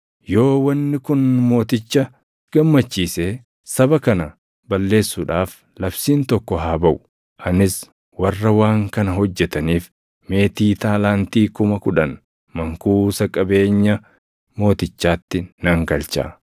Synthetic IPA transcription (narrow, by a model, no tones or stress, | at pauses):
jo̞ːwɐnːɪkʊnmo̞ːt̪ɪt͡ʃːɐ | ɡ̥ɐmːɐt͡ʃːiːseː | sɐbɐkɐnɐ | bɐlːe̞ːsːʊᶑaːf | lɐbsiːnt̪ɔkːɔɦaːbɐʔʊ̥ | ʔɐnɪs | wɐrːɐwaːŋkɐnɐɦɔd͡ʒːɛt̪ɐniːf | me̞ːt̪iːt̪aːlaːnt̪iːkʊmɐkʊᶑɐn | mɐŋkuːsɐkʼɐbe̞ːɲːɐ | mo̞ːt̪ɪt͡ʃːaːt̪ːɪnɐŋɡɐlt͡ʃa̰ː